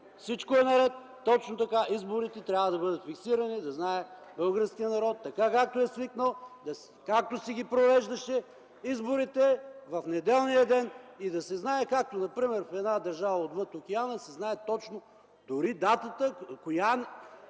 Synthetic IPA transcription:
fsit͡ʃkoɛnɐɾɛt̪ːɔt͡ʃnot̪ɐkaʔizboɾit̪ɛt̪ɾʲavəd̪ɐbɤd̪ət̪fiksiɾɐnid̪ɐznaɛ | bɤlˠɡəɾsk̟ijənɐɾɔt̪ːɐkakak̚t̪oɛsviknəlˠd̪ɐ | kak̚t̪osiɡ̟ʲipɾovɛʒd̪ɐʃɛ | izboɾit̪ɛvɐfnɛd̪ɛlˠnijəd̪ɛnid̪ɐsɛznaɛkak̚t̪onɐpɾimɛɾfɛd̪nad̪ɐɾʒavɐod̪vɤt̪ok̟ɛanəsɛznaɛt̪ɔt͡ʃno | d̪ʊɾid̪at̪ət̪əkojan

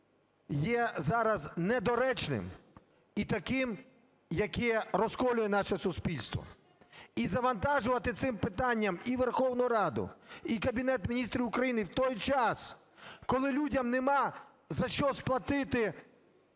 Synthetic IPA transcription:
jɛzɑɾɐznɛd̪ɔɾɛt͡ʃnɪ̰m | it̪ɐkɪm | jɐkɛɾɔskɔlʲʊjɛnɑʃɛsʊspʲilʲst̪ʋɔ̰ | izɐʋɐnt̪ɑʒʊʋɐt̪ɪt̪sɪmpɪt̪ɑnʲːɐmiʋerxɔwnʊʊɾɑd̪ʊ̰ikɐbʲinɛt̪mʲinʲist̪ɾʲiʊkɾɐjinɪwt̪ɔjt͡ʃɑs | kɔlˠɪlʲudʲɐmnemɑ | zɐʃt͡ʃɔsplˠɐt̪ɪt̪ɪ

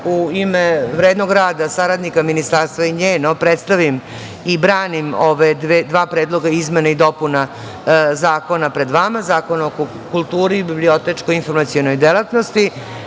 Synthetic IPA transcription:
uimeʋɾeːd̪no̞ɡɾaːd̪asaɾad̪nikaminist̪aɾst̪ʋaiɲeːnopɾet̪st̪aʋim | ibɾaːnimoʋed̪ʋed̪ʋaːpɾed̪lˠo̞ɡaizmenaid̪o̞puna | zaːko̞napɾed̪ʋamazaːko̞naoko | kulˠt̪uːɾiːbiblio̞t̪et͡ʂkojinfo̞ɾmat̪sijono̞jd̪elˠat̪no̞st̪i

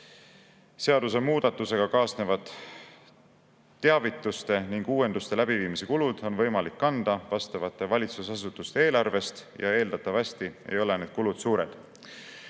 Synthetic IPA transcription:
se̞ɑd̪̥us̬e̞muːd̪̥ɑt̪ːˑuse̞ɡ̥ɑkɑːsne̞vɑd̪̥ | eɑvit̪ːˑust̪e̞niŋɡ̥uːe̞nd̪ust̪e̞læb̥iviːmise̞kulud̪̥o̞nvɤjmɑlikːɑnd̪̥ɑvɑst̪ɑvɑt̪ːˑe̞vɑlʲit̪susɑsut̪ːˑust̪ee̞ːlɑrve̞st̪jɑ̰e̞ːld̪̥ɑt̪ːˑɑvɑst̪iḛjo̞le̞ne̞ːd̪̥̚kulud̪̥suːɾe̞̰d̪̥

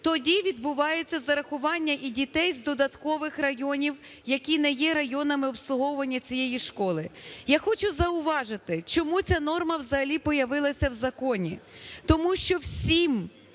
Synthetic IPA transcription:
t̪ɔdʲiʋʲid̪bʊʋɑjet͡sʲːɐzɐɾɐxʊʋɑnʲːɐʔidʲit̪ɛjzd̪ɔd̪ɐt̪kɔʋɪxrɐjɔnʲiw | jɐkʲinɛjɛɾɐjɔnɐmɪɔpslˠʊɦɔwʊʋɐnʲːɐt͡sʲijɛjiʃkɔlˠɪjaxɔt͡ʃʊzɐʊʋɑʒɪt̪ɪt͡ʃɔmut͡sʲanɔrmɐwzɐɦɐlʲipɔjɐʋɪlˠɐsʲɐwzɐkɔnʲit̪ɔmuʃt͡ʃɔwsʲim

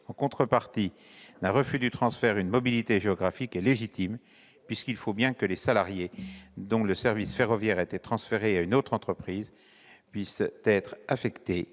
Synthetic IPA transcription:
ɑ̃kɔ̃t̪χəpaʁt̪i | d̪ɛ̃ʁəfyd̪yt̪χɑ̃sfɛʁynmɔbilit̪eʒeɔɡʁafikɛleʒit̪im | pɥiskilfobjɛ̃kəlesalaʁjed̪ɔ̃ləsɛʁvisfeʁɔvjɛʁɛt̪ɛt̪χɑ̃sfeʁeaynot̪χɑ̃t̪χəpχiːz | pɥist̪ɛt̪χafɛkt̪e

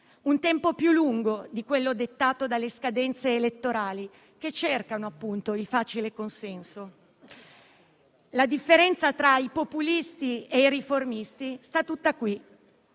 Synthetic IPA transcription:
unt̪ɛmpopjulːuŋɡod̪ikwelːod̪et̪ːaːt̪od̪alːeskad̪ɛnt̪seːlet̪ːoɾaːli | ket͡ʃːerkanoapːunt̪oilfaːt͡ʃilekonsɛnso | lad̪ifːeɾɛnt̪sat̪ɾaipopulist̪iejɾiformist̪ist̪at̪ːut̪ːakwi

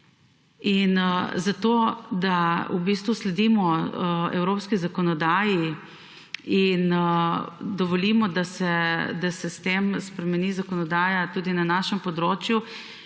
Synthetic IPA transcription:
inzat̪oːd̪aubiːst̪ʋuslɛd̪iːmɔɛ̰wɾopskizakɔnɔd̪aːji | in | d̪ɔʋɔlimɔd̪asɛd̪asɛst̪emspɾɛmɛnizakɔnɔd̪aːjat̪uːd̪inanaːʃɛmpɔd̪ɾoːt͡ʃju

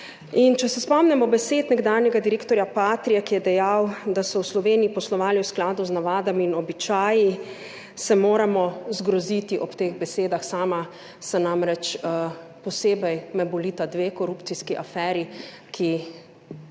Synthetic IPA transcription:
int͡ʃɛsɛspɔmnɛmɔbɛseːt̪nɛɡd̪aːnjɛɡad̪iɾeːkt̪ɔɾjapaːt̪ɾijakijɛd̪ɛjawd̪asɔwslɔʋeːnijipɔslɔʋaːliwsklaːd̪uznaʋaːd̪aminɔbit͡ʃaːji | sɛmoːɾamɔzɡɾɔzit̪iʔɔpt̪eːɣbɛseːd̪axsaːma | sanamɾɛt͡ʃ | pɔseːbɛjmɛbɔliːt̪ad̪ʋeːkɔɾuːpt̪siskiʔafɛːɾikʰi

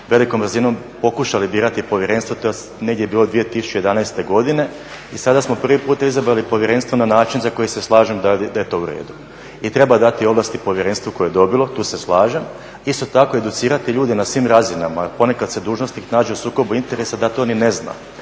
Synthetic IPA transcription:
ʋe̞likombrzino̞m | po̞kuʃalibiːɾat̪ipo̞ʋjeɾe̞ːnst̪ʋot̪o | neɡd̪je̞biːlod̪ʋije̞t̪isu̥t͡ʃeed̪anaest̪e̞ɡo̞d̪ine̞ | isad̪asmo̞pr̩ʋipuːt̪aizabɾalipo̞ʋjeɾe̞nst̪vonanaːt͡ʃinzako̞jise̞slˠaːʒemd̪ad̪ajet̪o̞ːuɾḛːd̪u | it̪ɾe̞bad̪at̪io̞ʋlˠaːst̪ipo̞ʋjeɾenst̪ʋoko̞jejd̪o̞bilˠo̞t̪uːseslˠaːʒem | ist̪ot̪ako̞e̞d̪ut̪siːɾat̪iʎuːd̪enasʋimɾazinamapo̞ne̞kad̪se̞d̪uːʒno̞st̪niknaːd͡ʒeusuːko̞buint̪e̞ɾe̞sad̪at̪oonine̞zna̰

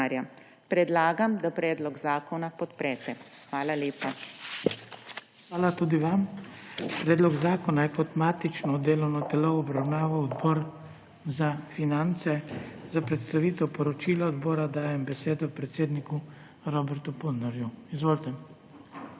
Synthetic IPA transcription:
aɾja | pɾɛd̪laːɡamd̪apɾɛːd̪lɔɡzaːkɔnapɔt̪pɾɛt̪ɛ | xʋaːlaleːpa | xʋaːlat̪uːd̪iʋam | pɾɛːd̪lɔɡzaːkɔnajɛkɔt̪maːt̪it͡ʃnɔd̪eːlɔwnɔt̪ɛloɔbɾawnaːʋɔwɔd̪bɔːɾ | zafinant̪sɛzapɾɛt̪st̪aʋiːt̪ɛwpɔɾɔt͡ʃiːlaɔd̪bɔːɾad̪aːjɛmbɛseːd̪ɔpɾɛt̪seːd̪niku | ɾɔbɛɾt̪upulnɔɾjuizʋoːlt̪ɛ

